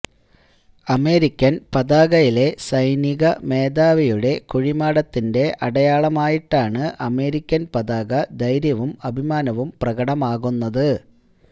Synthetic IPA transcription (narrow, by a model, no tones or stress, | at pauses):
ɐme̞ːɾikʲːɐnpɐðaːɣɐjile̞sɐjniɣɐme̞ːd̪aːʋɐjuɽe̞kuɻimaːɽɐt̪ːinde̞ʔɐɽɐjaːɭɐmaːjiʈːaːɳɨʔɐme̞ːɾikʲːɐnpɐðaːɣɐd̪ɐjɾjɐʋumɐbʱimaːnɐʋumprɐɣɐɽɐmaːɣunːɐðɨ